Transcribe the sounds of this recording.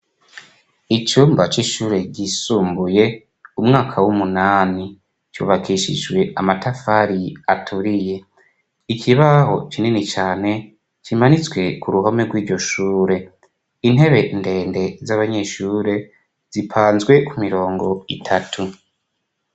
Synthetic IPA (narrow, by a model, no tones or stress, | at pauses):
it͡ʃuːmbat͡ʃiʃuːɾe̞ɟisuːmbuje̞ | umŋaːkʰawumunaːni | t͡ʃṵːβakʰiʃḭd͡ʒwe̞amatafaɾiatʰuɾije̞ | ikʰiβaɦo̞̰t͡ʃininit͡ʃaːne̞ | t͡ʃimanit͡swe̞kuɾuɦome̞ɡwiːɾɟo̞ʃuːɾe̞ | in̥e̞βe̞nde̞ːnde̞zaβaɲe̞ːʃuːɾe̞ | z̥ipʰaːnzɡwe̞kumiɾo̞ːŋɡo̞itʰatʰu